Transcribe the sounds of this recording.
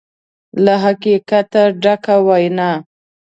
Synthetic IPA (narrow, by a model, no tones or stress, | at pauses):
laɦakikat̪aɖakawajna